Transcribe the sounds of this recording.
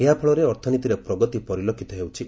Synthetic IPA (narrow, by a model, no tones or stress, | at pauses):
eɦapʰɔɭɔɾeɔɾt̪ʰɔnit̪iɾepɾɔɡɔt̪ipɔɾilokʰit̪ɔɦewt͡ʃʰi